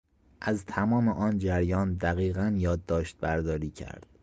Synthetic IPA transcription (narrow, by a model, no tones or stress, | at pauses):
ʔæzt̪ʰæmɒːmeʔɒːnd͡ʒæɾjɒːnd̪æɣiːɣænjɒːd̪ːɒːʃt̪̚bæɾd̪ɒːɾiːcʰæ̰ɾd̪̥